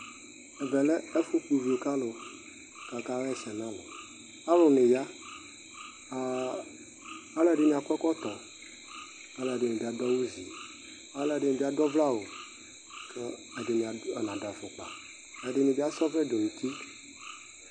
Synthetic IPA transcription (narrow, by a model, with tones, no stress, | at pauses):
e˨vɛ˨le˦e˦fu˦k͡pu˨vi˨o˨ka˦lo˨ | ka˨ka˦we˦e˨sɛ˨nã˦lo̰˨ | a˦ɾo˨nẽ˨ja˦˨ | a˦lɛ˦˨ɖe˦mĩ˨a˨kɔ˦kɔ˦t̪ɔ˨ | a˦la˨ɖe˨nẽ˨bi˨˦a˨d̪ɔ˦wu˦zḭ˨ | a˦le˨ɖe˦nẽ˨bi˦a˦d̪ɔ˦vla˦wo˨ | kʰe˦ | e˨de˨mĩ˨a˨e˨nã˨da˨fo˨k͡pa̰˨ | e˨ɖe˦nĩ˨bi˦a˦sɔ˦ve˦do˨nũ˨t̪i˦